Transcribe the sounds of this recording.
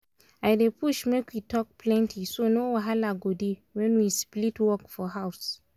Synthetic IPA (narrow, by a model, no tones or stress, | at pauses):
ajdepʰuʃmekwitʰɔk̚pʰlɛ̃ntʰisonowaɦalaɡodiwɛ̃nwisplitwɔkfɔɦaʊs